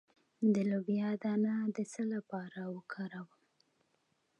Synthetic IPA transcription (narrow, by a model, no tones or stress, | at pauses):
d̪əlobjɑd̪ɑnad̪əsəlapɑɾawəkʰɑɾawəm